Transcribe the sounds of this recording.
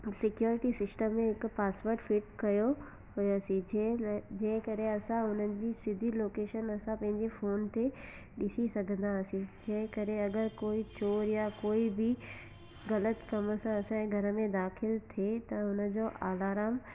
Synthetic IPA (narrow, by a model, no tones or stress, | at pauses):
sɪkjoːɾɪʈisɪsʈəmːẽɦɪkpaːsʋəɾɖfɪʈkɐjo | ɦʊɐsĩd͡ʑed͡ʑɐ̃ɦɪ̃kɐɾeɐsãʊn̤ənɪ̆d͡ʑiːsɪd̪ʱiloːkeːʃənɐsãpɐ̃ɦɪ̃ɲd͡ʑefoːnt̪e | ɗɪsisɐɡʱə̃nd̪aɐsĩd͡ʑɐ̃ɦɪ̃kɐɾeɐɡəɾkoːit͡ɕoːɾjakoːibɪ | ɣɐlət̪kɐməsãɐsãɡʱɐɾə̆mẽd̪aːxɪlt̪ʰet̪ɐʊnə̆d͡ʑoːʔaːlaːɾaːm